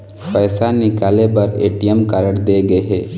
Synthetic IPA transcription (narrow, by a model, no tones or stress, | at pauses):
pɛːsanɪkaːlepɐɾeːʈijəmkaːɾəɽd̪eːɡɐeɦɛː